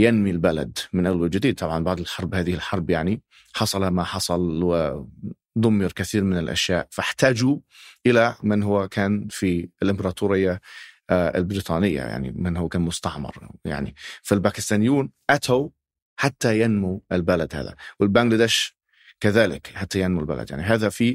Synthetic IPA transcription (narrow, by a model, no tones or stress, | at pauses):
janmilbala̰d̪mɪnʔalwald͡ʒɪd̪iːd̪̚t̪ˤɑbʕɑnbɑʕd̪ˤɪlħɑɾˤbhaːðɪhɪlħɑɾˤbjaʕni | ħɑsˤɑlamaħɑsˤɑlwɪ | d̪ˤʊmːɪɾkaθiːɾmɪnɪlʔa̰ʃjaːʔfaħt̪aːd͡ʒuʔɪlamɪnɦʊwːakaːnfiɪlʔɪmbɑɾˤɑːt̪ʰuːɾɪjːa | ɪ̰lbɪɾiːt̪ˤɑːnɪjːa̰ja̰ʕnḭmɪnɦʊwːakaːnmʊst̪aʕmɑ̰ɾˤja̰ʕnḭfilbaːkɪst̪aːnɪjːuːnʔat̪ʰaw | ħat̪ːajanmuɪlbalad̪ha̰ːða̰wɪlbaɡlad̪ɛʃ | kaðaːlɪkħat̪ːajanmulba̰la̰d̪ja̰ʕniɦaːðafi